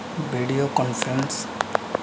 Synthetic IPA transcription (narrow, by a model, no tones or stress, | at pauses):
ʋiɖiokɔ̃nfɾẽns